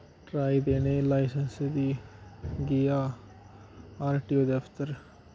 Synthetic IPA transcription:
ʈɾaːid̪eːneːlaːɪsənsd̪iː | ɡɪjaː | aːɾʈioːd̪eəfʰt̪əɾ

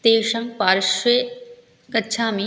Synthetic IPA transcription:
t̪eːʃɐ̃ŋɡpaːɾʃeː | kɐt͡ɕʰãːmĩ

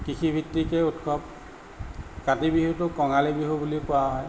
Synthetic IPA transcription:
kixʰibʱitːikɛutkʰɔp̚ | katibiɦutʊkɔŋalibiɦubulipʊwaɦɔj

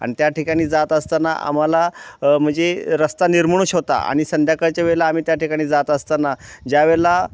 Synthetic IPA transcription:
a̰ɽ̃it̪jaʈikaɽ̃iːd͡zat̪əst̪ana̰ʔa̰m̤alam̤əɳd͡zeɾəst̪aniɾməɳ̃uːɕɦot̪a̰a̰ɽ̃isənd̪ʱjakəɾt͡ɕaʋelaːm̤iːt̪jaʈikaɽ̃iːd͡zat̪əst̪anad͡ʑaʋela

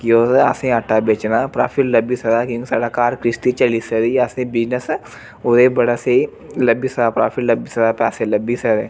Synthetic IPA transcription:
kioːsa̰ːsẽaːʈʰːabeːt͡ʃnapɾaːfʰɪʈlɐbisɐd̪aːkjõːkisaːɽakaːɾkɾɪst̪it͡ʃɐlisɐɾiasẽbɪd͡ʒnəs | ʊd̪ebɐɽase | lɐbisɐd̪apɾaːfʰiʈlɐbisɐd̪apɛːselɐbisəɾe

